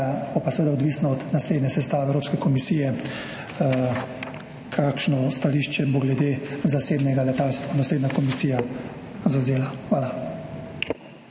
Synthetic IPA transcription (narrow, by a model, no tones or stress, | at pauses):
abopasɛʋeːd̪aɔd̪ʋiːsnɔɔd̪nasleːd̪nʲɛsɛst̪aːʋɛwɾoːpskɛkɔmisiːjɛ | kʰaːkʃnɔst̪aliːʃt͡ʃɛboɡlɛd̪ezaseːbnɛɡalɛt̪aːlst̪ʋanasleːd̪nakɔmisijazawzeːlaxʋaːla